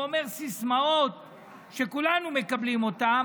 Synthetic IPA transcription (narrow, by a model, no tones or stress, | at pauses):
ome̞ʁsismao̞t̪̚ | ʃe̞kulanume̞kablimo̞t̪am